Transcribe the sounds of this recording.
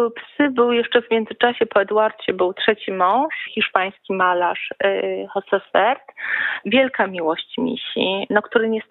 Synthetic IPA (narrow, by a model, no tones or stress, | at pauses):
psɘbɘwjɛʂt͡ʂɛvmʲjɛnd̪zɘt͡ʂaɕɛpɔɛd̪waɾt͡ɕɛbɘwtʂɛt͡ɕimɔ̃w̃ʂxʲiʂpaj̃skʲimalaʂxɔsɛfɛɾt̪vʲjɛlkamʲiwɔɕt͡ɕmʲḭɕinakt̪uɾɘɲɛs